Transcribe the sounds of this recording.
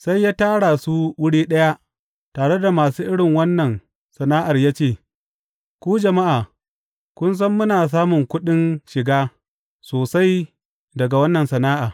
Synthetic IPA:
sa˦jːaː˦taː˦ɽa˨su˦wʊ˦ɽiː˦ɗɐ˦ja˦ | taː˨ɽe˦da˨maː˨suː˦ʔɪ˦ɽɪ˨ŋwɐ˦nːɐ˨n | sɐ˨naː˦ʔa˨rjaː˦t͡ʃeː˦˨ | kʷuː˦d͡ʒɐ˨ma˦ʔaː˨ | kʷʊ˦ns̬ɐ˦mːʊ˦naː˨s̬aː˦mʊ˨ŋkʷʊ˦ɗɪ˦nʃɪ˨ɡaː˦ | soː˨sa˦j | dɐ˨ɡa˨wɐ˦nːɐ˨nsɐ˨naː˦ʔaː˨

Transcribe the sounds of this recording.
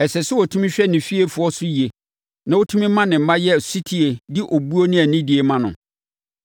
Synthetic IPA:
ɛ˨sɛ˨sʊ˦wɔ˨tʰũ˦mĩ˦ɕᶣɛ˦nɪ̃˨fi˦e˦fʊ˨˦ɔ˦sʊ˦ji˨e˨ | nã˨wo˦tʰu˦mĩ˦mːã˦nɪ̃˨m̩˨mã˦jɛ˦˨si˦tʰi˦e˨dɪ˦ʔo˨bu˦o˦nɪ̃˦æ˨nĩ˦di˨e˨mã˦nʊ̰̃˨

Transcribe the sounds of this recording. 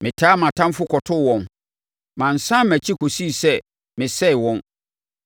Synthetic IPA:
mɪ̃˨tʰaː˦mã˨tʰã˦mfʊ˦kʰɔ˨tʰʊ˦˨wɔ̃˨n | mã˨n̩˨sã˦mæ˨t͡ɕʰi˦kʰo˨si˦˨sɛ˦ | mɪ̃˨sɛ˦ɪ˨wɔ̃˦n

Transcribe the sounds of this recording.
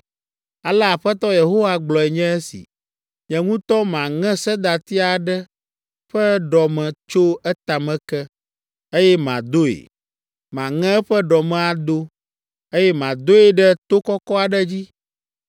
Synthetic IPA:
a˨lɛ˦a˨ɸɛ˦t̪ɔ˦je˨ɦo˦wa˦ɡ͡blɔ˨ɛ˨ɲɛ̃˦ɛ˦sḭ˨ | ɲɛ̃˨ŋũ˦t̪ɔ˦mã˨ŋɛ̃˦sɛ˦d̪a˨t̪i˦a˨ɖɛ˦ | ɸɛ˦ɖɔ˨mɛ̃˨t͡ʃo˦ɛ˦t̪a˨mɛ̃˨kɛ˦ | e˦jɛ˦mã̰˨d̪o˦ḛ˨ | mã˨ŋɛ̃˦ɸɛ˦ɖɔ˨mɛ̃˨a˨d̪o˦ | e˦jɛ˦mã˨d̪o˦e˨ɖɛ˦t̪o˦kɔ˦kɔ˦a˨ɖɛ˦d͡ʑi˦

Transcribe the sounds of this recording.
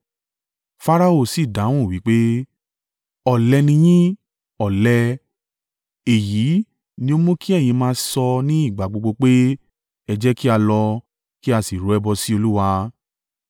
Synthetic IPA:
fa˦ɾa˧o˦˨si˨da˨˦w̃ũ˦˨wi˨˦k͡pe˦ | ɔ˨lɛ˧nĩ˧j̃ĩ˦ | ɔ˨lɛ˧ | e˨ji˨˦ | nĩ˧˦o˦mũ˦ki˦ɛ˦˨j̃ĩ˧mãː˧sɔ˧nĩ˦i˦˨ɡ͡ba˨ɡ͡bo˧ɡ͡bo˧k͡pe˦ | ɛ˧d͡ʒɛ˦ki˦a˧lɔ˧ | ki˦a˧si˨ɾo˨ɛ˧bɔ˧si˦o˧lu˦wa˧

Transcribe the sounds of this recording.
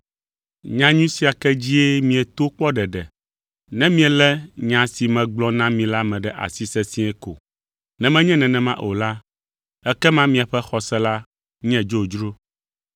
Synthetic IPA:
ɲã˦ɲũ˦si˦a˨kɛ˦d͡ʑi˦e˦mĩ˨ɛ˨t̪o˦k͡pɔ˦ɖɛ˨ɖɛ˨ | nɛ̃˦mĩ˦ɛ˨lɛ˦ɲã˨si˨mɛ̃˨ɡ͡blɔ˦nã˦mĩ˨la˦mɛ̃˨ɖɛ˦ʔa̰˨si˦sɛ˦sĩ˦ɛ˦ko̰˨ | nɛ̃˨mɛ̃˦ɲɛ̃˦nɛ̃˨nɛ̃˨mã˦ʔo˨la˦ | ɛ˦kɛ˦mã˦mĩ˨a˨ɸɛ˦xɔ˨sɛ˦la˦ | ɲɛ̃˦d͡ʒo˦˨d͡ʒɾo˦

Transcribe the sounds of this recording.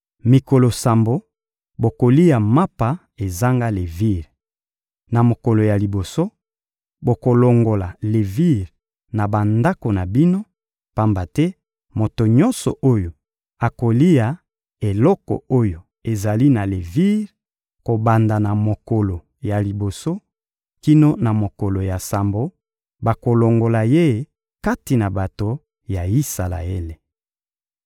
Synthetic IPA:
mi˨ko˨lo˨sa˨mbo˦ | bo˨ko˨li˦ja˨ma˦pa˨ | e˨za˦ŋɡa˦le˨vi˦ʁ | na˨mo˨ko˨lo˨ja˨li˨bo˨so˦ | bo˨ko˨lo˨ŋɡo˨la˨le˨vi˦ʁ | na˨ba˨nda˦ko˨na˨bi˦no˦ | pa˦mba˨tɛ˦ | mo˨to˨ɲɔ̃˦nsɔ̰˨ʔo˦jo˨ | a˨ko˨li˦ja˨ | e˨lɔ˦kɔ̰˨o˦jo˨ | e˨za˨li˦na˨le˨vi˦ʁ | ko˨ba˨nda˨na˨mo˨ko˨lo˨ | ja˨li˨bo˨so˦ | ki˦no˦na˨mo˨ko˨lo˨ja˨sa˨mbo˦ | ba˨ko˨lo˨ŋɡo˨la˨je˦ | ka˦ti˨na˨ba˨to˨ | ja˨i˦sa˨la̰˨e˦le˨

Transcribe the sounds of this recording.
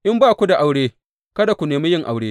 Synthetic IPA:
ʔɪ˦mbaː˦kʷu˦da˨ʔa˨wɽeː˦ | kɐ˦da˨kʷu˨neː˨mi˦jɪ˦ŋʔa˨wɽeː˦

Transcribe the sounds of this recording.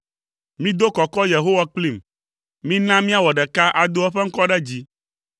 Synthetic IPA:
mĩ˦d̪o˦kɔ˨kɔ˦je˨ɦo˦wa˦k͡pli˦˨m | mĩ˦nã˦mĩ˦a˦˨wɔ˨ɖɛ˨ka˦ʔa˨d̪o˦ɛ˦ɸɛ˦ŋ̩˦kɔ˦ɖɛ˦d͡ʑi˦

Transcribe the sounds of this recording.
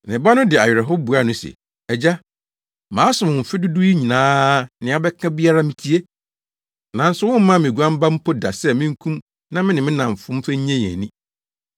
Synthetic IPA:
nɪ̃˨ba˦nʊ̃˦dɪ˨a˨ɥɾɛ˨ɦɔ˦bu˨a˦˨nʊ̃˦sɛ̰˨ | ɛ˨d͡ʑa˦ | mãː˨˦sʊ˨ʊ̃˨m̩˨fɪ˦dʊ˦du˦i˦ɲĩ˨nãː˦nɪ̃˨˦a˦bɛ˦kʰã˦bi˦a˦ɾa˦mĩ˦tʰi˦e˦ | nã˨n̩˦sʊ˦wʊ̃˦m̩˦mã˦mɪ̃˨ɡu˨˦ã˦m˦ba˦m̩˦pʰo˦da̰˨sɛ˦mɪ̃˦ŋ̩˦kʰũ˦m | nã˦mɪ̃˦nɪ̃˨mɪ̃˦nã˨m˨fʊ̃˦m˦fɛ˦ɲ˦ɲɛ̃˦jɛ̰̃˨nĩ˦

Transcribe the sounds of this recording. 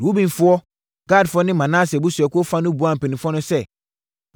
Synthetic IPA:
u˦bĩ˦˨n˨fu˦ɔ˦ | ɡa˦˨dfɔ˦nɪ̃˦mã˨nã˦sɛ˨bu˦sɛ˨ko˦fã˦nu˦bu˨˦ã˦˨m˨pe˨nĩ˨fɔ˦nɔ̃˦sɛ˦˨

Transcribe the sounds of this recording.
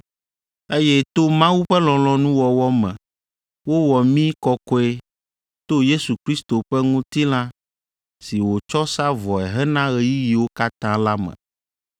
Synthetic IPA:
e˦jɛ˦t̪o˦mã˦wu˦ɸɛ˦lɔ̃˨lɔ̃˨nũ˦wɔ˨wɔ˦mɛ̰̃˨ | wo˦wɔ˨mĩ˦kɔ˦kɔ˦e˦ | t̪o˦je˦su˨kɾi˦st̪o˨ɸɛ˦ŋũ˦t̪i˦lã˦ | si˨wo˨t͡ʃɔ˦sa˦vɔ˨ɛ˨ɦɛ˦nã˦ɣɛ˦ji˦ji˨wo˦ka˦t̪ã˦la˦mɛ̰̃˨

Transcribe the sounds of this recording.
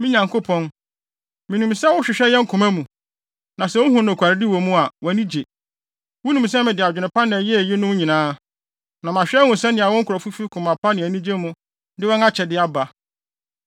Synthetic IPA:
mĩ˦ɲã˨ŋko˦pʰɔ̃˦n | mĩ˨nũ˨msɛ˦wʊ˦ɕᶣɪ˨ɕᶣɛ˦jɛ˦ŋ̩˦kʰʊ̃˨mæ̃˦mũ˨ | nã˨sɛ˦wʊ˦hũ˦nʊ̃˨kʷʰa˨ɾɪ˦dɪ˦wɔ˨mũ˦a˨wɔ˨nĩ˦d͡ʑe˨ | wʊ˦nũ˨m˨sɛ̃˦mɪ̃˨dɪ˨a˨d͡ʑᶣɪ˨nʊ̃˨pʰã˦nɪ̃˨æ˨jɛ˦˨jɪ˦nʊ̃˦ɲĩ˨nãː˦ | nã˨mã˨ɕᶣɛ˦wʊ̃˨sɛ˦nɪ̃˨a˨wɔ̃˦ŋ̩˦kʰʊ˨ɾɔ˨fu˦fi˦kʰʊ̃˨mã˨pʰa˦nɪ̃˨æ˨nĩ˦d͡ʑe˦mũ˦ | dɪ˦wɔ̃˦na˦t͡ɕʰɛ˨dɪ˦a˦ba˨

